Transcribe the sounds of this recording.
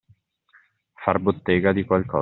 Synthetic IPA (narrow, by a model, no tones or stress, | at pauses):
farbot̪ːeːɡad̪ikwalkɔ̰ː